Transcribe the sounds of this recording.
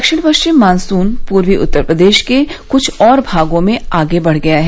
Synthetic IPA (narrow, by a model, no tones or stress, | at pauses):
kʃɪɽ̃pəkʃt͡ʃɪmːãːnsuːnpuːɾwiʔʊ̰t̪ːəɾpɾəd̪eːʃkekʊt͡ʃʰɔːɾbʱaːɡõmẽaːɡebɐɽ̤ɡɐjaɦɛ